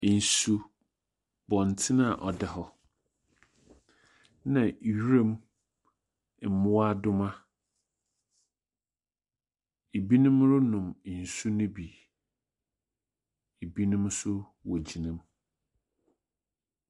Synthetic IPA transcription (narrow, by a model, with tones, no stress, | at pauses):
n̩˨su˦ | bɔ̃˨n˨tʰɪ˦nã˦˨ʔɔ˨dɛ˨ɦɔ˨ | nã˨ɥɾẽ˦m˨ | m̩˨mʊ̃˦a˦dʊ˦mã˦ | e˨bi˦nũ˦mɾʊ˦nʊ̃˨m˨n̩˨su˦nʊ̃˦bi˨ | e˨bi˦nũ˦msʊ˦ | wɔ˨d͡ʑi˨nĩ˦m